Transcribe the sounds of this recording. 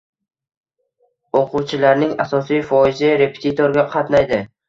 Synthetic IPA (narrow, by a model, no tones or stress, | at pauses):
oqʰʊwt͡ʃʰɪlaɾnɪŋasɒsijfɒɪzɪɾe̞pʰe̥t̪ʰit̪ʰoɾɡʲaqʰɑt̪najd̪ɪ